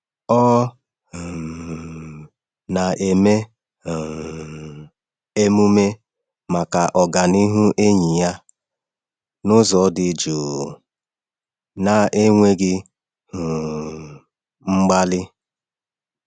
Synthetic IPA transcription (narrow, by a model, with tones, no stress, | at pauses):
ɔ˦˨ | na˨ʔe˨me˦˨ | e˦mu˦me˦ | ma˨ka˨ʔɔ˨ɡa˨ni˦ɦu˦ʔe˦ɲi˨ja˦ | nʊ˦zɔ˨˦dɪ˨d͡ʒu˨ | na˨ʔe˦ŋʷe˦ɡɪ˦˨ | ŋ͡m̩˦ɡ͡ba˦lɪ˦